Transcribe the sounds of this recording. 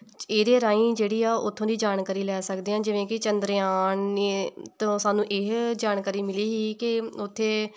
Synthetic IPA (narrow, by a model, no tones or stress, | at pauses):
eːd̪eːɾaːĩːd͡ʒeːɽiːaːʔʊt̪ʰːõːd̪iːd͡ʒaːɳkaːɾiːlɛːsəkd̪eːãːd͡ʒɪʋẽːkɪt͡ʃənd̪ɾeaːɳet̪õːsaːnũːʔeːɦd͡ʒaːɳkaːɾiːmɪliːɦiːkɪʊt̪ʰːeː